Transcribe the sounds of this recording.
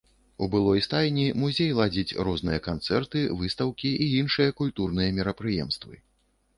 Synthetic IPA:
ubɨlˠɔjst̪ajʲnʲimuzʲejlˠad͡zʲit͡sʲrɔznɨjɐkant̪sɛrt̪ɨvɨst̪ɐwkʲiʔiinʂɨjɐkulʲt̪urnɨjɐmʲiɾɐpɾɨjɛ̰mst̪vɨ̰

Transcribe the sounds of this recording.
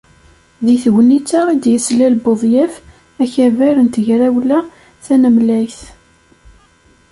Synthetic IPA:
ðiθɣənit͡sːaid̪jəslælboðˤjæf | æçævæɾənt̪əʝɾæwlæ | θænəmlæjθ

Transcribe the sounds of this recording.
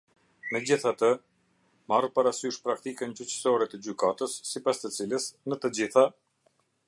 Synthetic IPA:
nəd͡ʑiθat̪ə | marpaɾasyʃpɾakt̪ikənt͡ɕyt͡ɕə̥sɔɾɛt̪əd͡ʑykat̪əsːipast̪ət͡siləsnət̪əd͡ʑiθa

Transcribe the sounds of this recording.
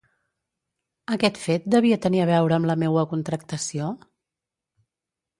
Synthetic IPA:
əkɛt̪fet̪̚d̪əβ̞iət̪əniəβ̞ɛwɾəːmləmewəkunt̪ɾək̚t̪əsio

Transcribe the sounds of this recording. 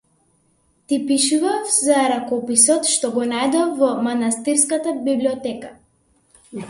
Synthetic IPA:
t̪ipiʃuvafzaɾakɔpisɔt̪ʃt̪ɔɡɔnajd̪ɔvɔmanast̪iɾskat̪abibliɔt̪ɛka

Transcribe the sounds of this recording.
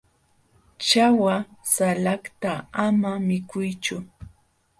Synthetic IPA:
t͡ʃawasalakt̪aamamɪkʊjt͡ʃʊ

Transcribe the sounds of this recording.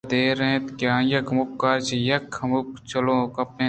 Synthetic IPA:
d̪eːɾet̪keãːjɐkmukːaːɾt͡ʃijɐkʰːɐmuk̚t͡ʃɐlõːkɐpːẽː

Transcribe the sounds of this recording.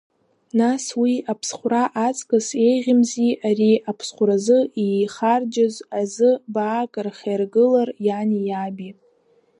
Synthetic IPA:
naswiapʰsχʷraʔat͡sʼkʼase̞jʁʲɪmziʔariapʰsχʷɾazɨijχard͡ʒazazɨbaːkʼɨrχʲajrɡɨlarjanijabi

